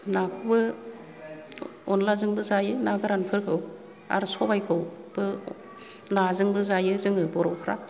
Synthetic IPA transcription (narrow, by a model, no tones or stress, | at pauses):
nakʰɯwbɯ | ɔnlazɯŋbɯzajɯnaɡɯɾanpʰɯɾkʰɯw | a̰ɾsɔbajkʰɯwb̥ɯ | lazɯŋbɯzajɯzɯŋɯbɔɾɔwpʰɾa